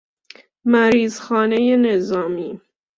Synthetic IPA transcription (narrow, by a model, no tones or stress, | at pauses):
mæɾiːzxɒːnejenezɒːmiː